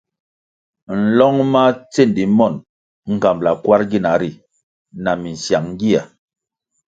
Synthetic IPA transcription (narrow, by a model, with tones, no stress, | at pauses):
n̩˨lɔ˦ŋma˦t͡se˦˨ndi˨mɔ˦˨n | ŋ̩˨ka˨mbla˨kwa˦ɾɡi˦na˨˦ɾi˨ | na˨mi˨n̩˨sja˨ŋŋ˦ɡi˦a˨